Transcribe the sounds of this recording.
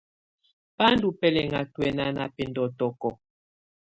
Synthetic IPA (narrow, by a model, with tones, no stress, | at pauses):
pa˦ndu˨pɛ˦˨lɛ˨ŋa˨twɛ˨na˦na˨pe˨ndɔ˨tɔ˨kɔ˨